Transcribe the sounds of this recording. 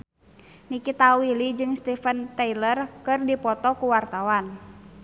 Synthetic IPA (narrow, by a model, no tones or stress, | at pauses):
nikit̪awilid͡ʒɨŋst̪ifənt̪ailərkɨrdipɔt̪ɔkuwart̪awan